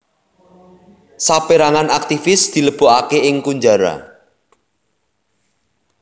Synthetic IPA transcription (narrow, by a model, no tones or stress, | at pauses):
sapeɾaŋanak̚t̪ifɪsd̪̥i̤ləb̥o̤ʔakeɪŋkuɲd͡ʒaɾa̰